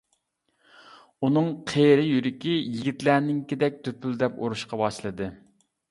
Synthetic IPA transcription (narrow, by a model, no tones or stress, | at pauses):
unɨŋqʰeɾɪjyɾɪkʲijiɡʲit̪lænɪŋkʲid̪ɛk̚ʲt̪ʰøpʰyld̪ɛpo̰ɾuʃqɑbɑʃlˠɨd̪ɨ